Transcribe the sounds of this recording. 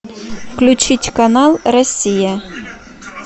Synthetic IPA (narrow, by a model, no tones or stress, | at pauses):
fklʲut͡ɕitʲkɐnɑlˠrɐsʲːija